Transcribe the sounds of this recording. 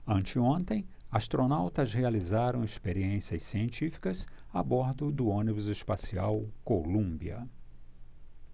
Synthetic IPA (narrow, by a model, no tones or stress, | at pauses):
ɐ̃nt͡ʃɪõnt̪ẽj̃ast̪ɾonawt̪ɐzhealizaɾɐ̃w̃espeɾiẽsiɐssiẽnt͡ʃifi̥kɐzabɔɾd̪ʊd̪ʊõnibʊzɪʃpasiawkolũmbiɐ̰